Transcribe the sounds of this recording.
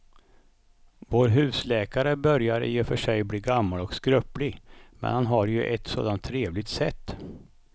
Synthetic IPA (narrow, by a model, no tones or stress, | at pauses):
voːɾɦʉ̟ːslɛːkaɾəbœɾjaɾjeːfœʂɛjbliːɡamːalɔkskɾœplɪɡmɛ̰nhanɦaɾjɵʔɛt̪so̰ːd̪ant̪ʰːɾeːvlɪɡt̪sɛt̪ː